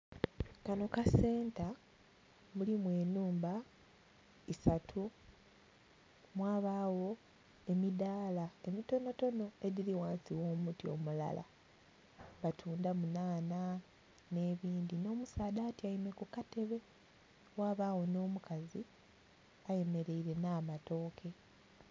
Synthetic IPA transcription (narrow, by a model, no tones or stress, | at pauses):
kano̞kase̞ːnta | mulimwe̞ːnuːmba | isatʰu | mwaːβaːwo̞ | e̞midaːlae̞mito̞no̞to̞no̞e̞ðiliwaːnsiwo̞ːmutio̰mula̰la̰ | βatʰuːndamunaːna | ne̞ːβiːnd̪ino̞ːmusaːdaːtiaime̞kukate̞βe̞ | waːβaːwo̞no̞ːmukazi | aje̞me̞ɾe̞iɾe̞naːmato̞ːkʰe̞